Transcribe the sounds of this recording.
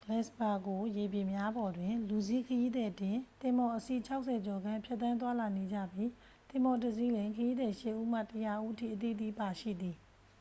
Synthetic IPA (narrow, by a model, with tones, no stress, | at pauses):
ɡlɛ˦˨sba˨ɡo˨je˨bjɪ̃˨mja˦bɔ˨dwɪ̃˨lu˨zi˦˨kʰəji˦d̪ɛ˨twɪ̃˨t̪ɪ̃˨mɔ˨ʔəsi˦˨t͡ɕʰa˦ʊʔsʰɛ˨d͡ʑɔ˨ɡã˦˨pʰjɛ˦t̪t̪ːã˦nt̪̬wa˦la˨ne˨d͡ʑä̰˦˨bji˦ | t̪ɪ̃˨mbɔ˨tə˨zi˦lɪ̃˨ŋkʰəji˦d̪ɛ˨ʃɪ˦ʔu˦m̥a̰˦˨təja˦˨ʔu˦ʔətʰḭ˦˨ʔət̪ḭ˦˨t̪ḭ˦pa˨ʃḭ˦˨d̪i˨